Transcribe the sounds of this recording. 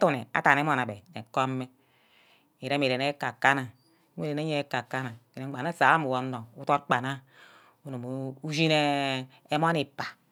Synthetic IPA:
tu˦˨ne˨a̰˦ta˨ne˦mo˨na˨be˨ne˨ko˦mːe˦ | i˨ɾe˦mi˨ɾe˨ne˦ka˨ka˦na˨˦ | e˦˨ɾe˨ne˦ɲe˦ka˨kːa˦na˨ke˨ne˨˦a˨na˦sa˨˦a˦mu˨wo˨nːo˨u˦to˦tk͡pa˨na˦ | u˦nu˨m˨u˦zi˦ne˦ | e˦m˦o˦ni˨pa˨

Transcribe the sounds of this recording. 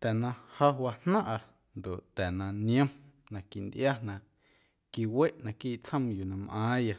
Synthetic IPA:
t̪ɛ˨nã˧ha˦wa˧n̥nã˦ʔa˧ | nd̪o˨ʔt̪ɛ˨nã˧nj̃ə̃˦m | nã˧˨ki˨ʔnd̪ʔja˦nã˨ʔ | ki˧we˦ʔnã˧kiː˦ʔt͡sə̃˦mju˨nã˧mʔãː˨˦ja˧

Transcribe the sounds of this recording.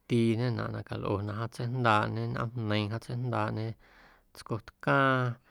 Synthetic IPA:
t̪iː˧ɲẽ˦nã̰˨ʔnã˧ka˨lʔo̰˧˨nã˧ɦã˧t͡se˦nd̪aː˧ʔɲẽ˦nʔã̰˦mnə̃˧ĩ˧ɦã˦t͡se˦jnd̪aː˧˨ʔɲẽ˦ | t͡sko˧t̪kãː˦

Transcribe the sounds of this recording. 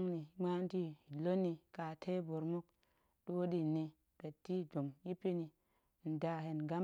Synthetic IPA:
ŋni˨˦ma˦n˦ti˦i˨lo˦nːi˨ka˨tʰe˦bo˨ɾmu˦k̚ | ɗo˦di˦˨ni˨ | kə˨tːi˦do˨mji˦pi˦ni˨ | n̩˨da˨ɦe˨nɡa˦m

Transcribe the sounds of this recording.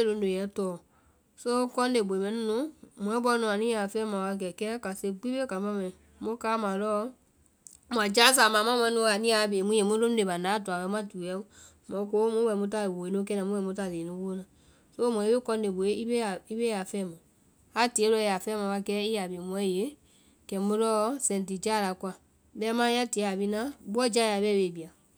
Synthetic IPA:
e˦lõ˧n˦o˨jɛ˨˦tɔː˨ | so˦kɔ̃˦n˦e˨bo˨e˨mɛ̃˨˦ĩ˦nũ˨˦m̃˨ɛ̃˦bɔ˦nũ˨a˨nĩ˦a˨fɛ̃ː˦mã˨wa˧k̬ɛ˨kɛː˦ka˨se˧ɡ͡bi˦be˦ka˨˦bã˦mɛ̃˨ĩ˨ | mo˦kaː˦mã˨lɔ˦ | m˨ã˨d͡ʒa˦s̬a˨mã˨mã˦mwɛ̃˧˦nũ˧˦a˨nĩ˦a˨beː˨mũ˦je˨mõ˦lo˦n˦e˨ba˨nãː˨˦du˨a˨wɛ˧˦mã˦du˨jɛ˦ | mɔ̃˨˦ko˦mũ˦wɛ˨˦mũ˦ta˦˨e˨bo˨e˨nõ˦kɛ˦nã˨mũ˦wɛ˨mũ˦ta˦˨le˨nũ˦wo˦o˦nã˨ | so˦m˨ɔ̃˨i˦e˦kɔ˧n˦de˨bo˨e˦i˦be˦a˨i˦be˦a˨fɛ̃ː˦mã˨ | a˦ti˨e˦lɔ˧˦˧a˨fɛ˦mã˨ba˧kɛ˦i˦a˨be˨m˨ɔ̃˨˦je˨˦ | kɛ˨mũ˦lɔ˦sɛ̃˨nti˨d͡ʒa˦˨la˨kwa˨ | bɛ˦mã˦a˦ti˨˦a˨bi˦nã˦bu˦ɔ˦d͡ʒa˦ja˨bɛ˦be˨bi˨a˨

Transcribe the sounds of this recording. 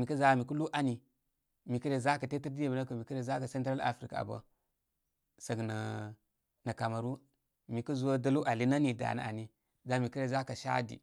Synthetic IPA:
mi˨ki˦za˨mi˨ku˦lu˦ʔa˨ni˨ | mi˨ki˦ɾe˨za˦ka˨te˦ti˦ɾdi˦je˨bna˦kə˨mi˨ki˦ɾe˨za˦ka˨se˦n˦tɾa˦la̰˨fɾḭ˨ka̰˨ba̰˦ | sa˨ɡna˨ | na˨ka˨ma˨ɾu˦ | mi˨ku˦zu˦wa˦da˦lu˦ʔa˨li˦na˦ni˨da̰˨na̰˨a̰˨ni˦ | za˨mi˨ki˦ɾe˨za˦ka˨ʃa̰˦dḭ˨

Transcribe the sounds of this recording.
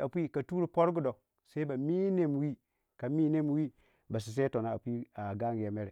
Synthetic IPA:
a˨pʷi˦ka˨tu˦ɾu˨po˦ɾɡu˨do˨ | se˦i˦ba˨mi˦ne˨m˨wi˦ | ka˨mi˦ne˦m˨˦wi˦ | ba˨s̬i˨s̬e˦to˨na˨a˨pʷi˦a˨ɡa˦ŋɡja˨me˦ɾe˨

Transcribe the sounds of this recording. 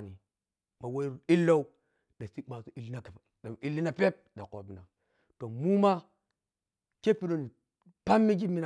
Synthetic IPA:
ni˨ | ma˨we˦˨i˦lːo˦u˦ | ɗa˨si˦k͡pa˨so˦i˦˨lːi˦na˨k | a˨i˦lːi˦na˦˨pe˦p̚da˨ko˨bi˨na˨ | to˨mu˦ma˦ | ke˦pi˦do˨ni˨ | pa˦mːi˦d͡ʒi˦mːi˦na˨

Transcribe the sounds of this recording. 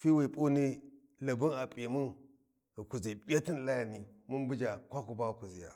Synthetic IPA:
fi˦wi˨pʼu˦ni˦ | la˨bu˦na˨pʼe˨mu˦n | ɣku˨zi˨bʲa˦ti˦n˨la˦ja˨ni˨mu˦nbu˦d͡ʒa˨kʷa˦ku˨ba˦˨ku˨zi˨ja̰˨

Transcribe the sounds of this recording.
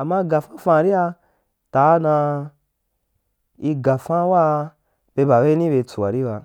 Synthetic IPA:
a˨mːa˦ɡa˨fã˦fã˧˨ɾi˦a˧ | ta˨˦nã˧ | i˧ɡa˨fã˦wa˦˧ | be˧ba˨be˦i˦nĩ˦be˧˨˧t͡su˨wa̰˨ɾi˦ba˧

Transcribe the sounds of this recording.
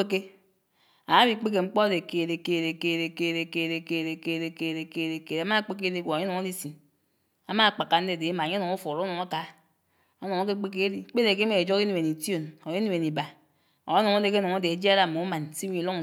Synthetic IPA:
e˦k̬e˦ | a˨˦bi˦k͡pe˦k̬e˨ŋ͡m̩˦k͡po˦de˨ke˨ɾe˨ke˨ɾe˨ke˨ɾe˨ke˦˨ɾe˨ke˦˨ɾe˨ke˦˨ɾe˨ke˦˨ɾe˨ke˨˦˨ɾe˨ke˦˨ɾe˨ke˨a˦ma˦k͡pe˦k̬e˦di˦ɡʷo˨ɲe˦no˨ŋo˦di˦si˨n | a˨ma˦˨k͡pa˨kːa˨n̩˦de˦˨de˨i˦ma˨ɲe˦o˨ŋu˦fo˨ɾo˦no˨ŋa˦ka˨ | o˦no˨ŋo˦k̬e˦k͡pe˦k̬e˦di˨˦k͡pe˦e˨k̬e˦e˨˦e˨d͡ʒo˦ki˦ni˨e˨ni˨to˨no˨ji˦n˦˨e˨ni˨ba˨ | o˨˦no˨ŋo˦de˨k̬nɔ˨ŋo˦de˨e˨˦d͡ʒi˦a˦ɾa˦˨mo˨u˦ma˨nsi˦ɲi˨lo˦ŋ˨

